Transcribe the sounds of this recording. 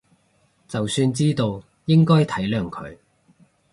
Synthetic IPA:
t͡sɐ˨wsyː˧nt͡siː˥t̪o˧w | jɪ˥ŋkɔː˥jt̪ʰɐ˨˥jlœː˨ŋkʰɵ̰˨˧ɥ

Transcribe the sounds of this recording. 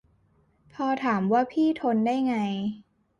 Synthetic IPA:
pʰɔː˧t̪ʰaː˩˦mwaː˥˩pʰiː˥˩t̪ʰo˧ndaː˥˩jŋa˧j

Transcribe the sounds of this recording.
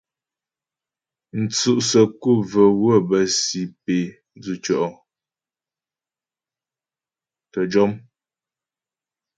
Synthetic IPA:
n̩˨t͡su˦˨ʔsə˨ku˦˨və˨wə˦˨bə˨si˨pe˨˦ | d͡zʉ˨t͡ʃɔ˦˨ʔɔ˨ | tə˨d͡ʒɔ˦m

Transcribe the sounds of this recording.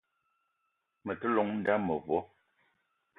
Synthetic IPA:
mɛ˨tə˦lɔ˨˦ŋn̩˦da˦mə˨βɔ˦

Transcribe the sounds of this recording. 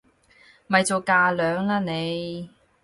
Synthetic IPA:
mɐ˨jt͡so˨˧kaː˧lœː˨˥ŋlaː˧ne˨˧j

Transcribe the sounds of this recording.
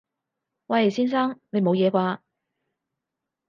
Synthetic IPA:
wɐ˨˧jsiː˥ns̬aː˥ŋne˨˧jmo˨˧wjɛː˨˧kʷaː˧

